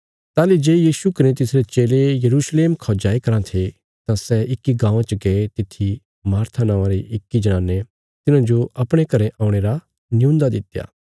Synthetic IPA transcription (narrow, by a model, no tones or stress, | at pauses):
t̪aːled͡ʒeːjiːsukɐnẽt̪ɪsɾet͡ʃeːlejɐɾuːsleːmkʰɔːd͡ʒaːikɐɾãt̪ʰe | t̪ãsɛʔɪkːiɡãːʋãt͡ʃəɡeet̪ɪt̪ʰi | maːɾt̪ʰanãːãɾeʔɪkːid͡ʒɐnãːnːe | t̪ɪnãd͡ʒoɐpɽ̃ekɐɾẽʔaːũɽ̃eːɾa | nɪjũːnd̪ad̪ɪt̪ja̰ː